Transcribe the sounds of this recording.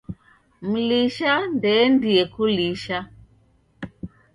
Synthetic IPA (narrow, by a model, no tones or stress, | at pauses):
m̩liʃandɛndiɛkuliʃa